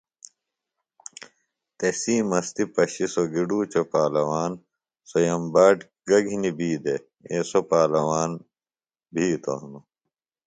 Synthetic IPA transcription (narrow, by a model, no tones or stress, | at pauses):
t̪esiːmɐst̪ipɐɕisoɡiɖuːt͡ɕopaːlɐwaːn | sojɐmbaːʈ | ɡɐɡʱinibiːd̪e | esopaːlɐwaːn | bʱiːt̪o̰nu